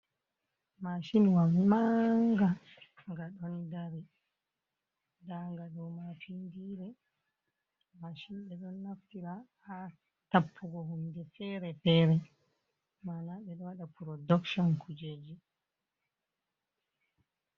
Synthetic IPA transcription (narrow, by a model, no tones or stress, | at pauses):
maʃimwamaŋɡa | ŋɡaɗɔndaɾi | daŋɡaɗɔmafindiɾɛ | maʃimɓɛɗɔnːaftiɾaha | tapʰːuɡɔhumdɛfɛɾɛfɛɾɛ | manaɓɛɗɔwaɗapuɾɔdɔkʃɔnkud͡ʒed͡ʒi